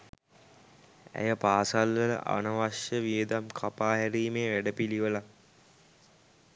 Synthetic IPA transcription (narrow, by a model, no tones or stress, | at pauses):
æ̰jəpaːsalʋələ̰ʔa̰nəʋaʃjəʋied̪amkʰapaːɦæɾiːmeːʋæɖəpiliʋəla